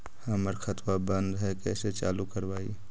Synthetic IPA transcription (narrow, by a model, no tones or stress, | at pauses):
həməɾxʰət̪wabə̃nd̪ɦɛkɛːset͡ʃa̰ːlukəɾwaːḭ